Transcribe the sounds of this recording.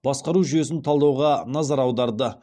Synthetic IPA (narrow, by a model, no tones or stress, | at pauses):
bɑsqɑɾuʒʏje̞sɪnt̪ʰɑlˠd̪ɑwʁɑnɑzɑɾɑwd̪ɑɾd̪ə